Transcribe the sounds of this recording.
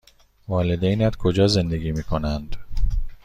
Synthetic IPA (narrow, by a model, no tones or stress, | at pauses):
vɒːled̪ejnæt̪kʰod͡ʒɒːze̞nd̪eɡiːmiːkʰo̞nænd̪